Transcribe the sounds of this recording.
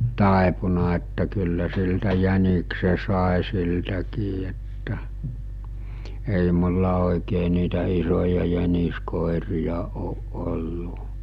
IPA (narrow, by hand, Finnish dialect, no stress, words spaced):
tɑˑepunɑ etːæ kylːæ siltæ jænikse sɑˑe siltækiː etːæ ei mulːɑ oˑikeː niːtæ isojɑ jæniskoˑerijɑ oːʔ ʔolːu